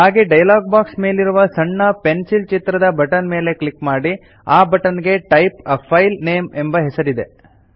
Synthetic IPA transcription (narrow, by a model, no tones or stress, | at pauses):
ɦaːɡeɖɐjlaːɡ̚baːksme̞ːliɾuʋɐsɐɳːɐpensilt͡ʃit̪ɾɐd̪ɐbɐʈɐnme̞ːle̞klikmaːɽi | aːbɐʈɐnɡe̞ʈɐjpɐpʰːɐjlne̞ːmembɐɦɛsɐɾid̪e̞